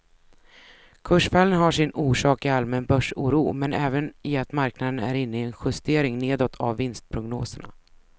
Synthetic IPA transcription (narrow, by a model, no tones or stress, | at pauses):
kʰɵʂfɛlənɦaʂɪnuːʂɑːkɪalmɛnbœʂuːɾuːmɛnɛːvənɪat̪maɾknad̪ənæ̰ɾɪnːəɪɛnɧɵst̪eːɾɪŋneːd̪ɔt̪ʰa̰vːɪnst̪̚pʰɾʊɡnoːsəɳa̰